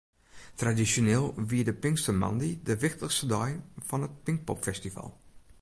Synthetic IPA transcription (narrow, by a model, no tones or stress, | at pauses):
tradisjoneːlˠʋiədəpɪŋkstəmɑ̰ndidəʋɪxtəxstədɔjfɔnət̚pɪŋk̚pɔ̰pfɛstiva̰lˠ